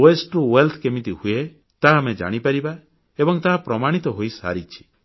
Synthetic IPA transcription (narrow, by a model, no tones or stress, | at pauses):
oesʈuwelt̪ʰkemit̪ihue | t̪aɦamed͡ʒa̰ɽ̃ipaɾiba | ebɔŋt̪aɦapɾɔmaɽ̃it̪ɔɦojsa̰ɾit͡ʃʰi̥